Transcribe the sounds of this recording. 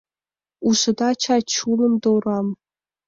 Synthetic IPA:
uʂɨdat͡ʃʰat͡ʃʰulɨmdowram

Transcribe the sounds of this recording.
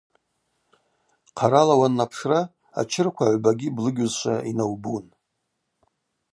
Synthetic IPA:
qʰaɾalawanːapʰʂra | a̰t͡ʃʰɪrkʷʰaʕʷbaɡʲiblɨɡʲʊzʃʷa̰inawbun

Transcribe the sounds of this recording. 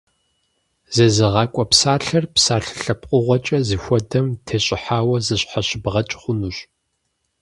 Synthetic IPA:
z̥ɐzɨʁɑːkʷʼɔpsaːɬɐrpsaːɬɨ̥ɬɐp̚qʷʼʊʁʷɔt͡ʃʼɐzɨxʷɔdɐmtʰeːɕʼɪħaːwɐzɨɕħaɕɪbʁɐt͡ʃʼχʷʊnuːɕʼ

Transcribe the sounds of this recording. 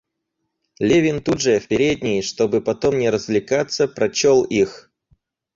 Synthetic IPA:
lʲevʲɪnt̪ud̪ʐəfpʲɪɾʲedʲnʲɪjʂt̪o̞bɨpɐt̪o̞mnʲɪɾəzvlʲɪkat̪səpɾɐt͡ɕolˠix

